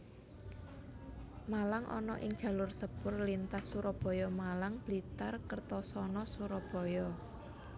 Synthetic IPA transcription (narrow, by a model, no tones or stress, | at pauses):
malaŋʔɔ̰nɔʔɪŋdd͡ʒʒ̥ä̤lʊrsəb̥ʊrlint̪asuɾɔb̥ɔ̤jɔmalaŋb̥lit̪arkərt̪ɔsɔnɔsuɾɔb̥ɔ̤jɔ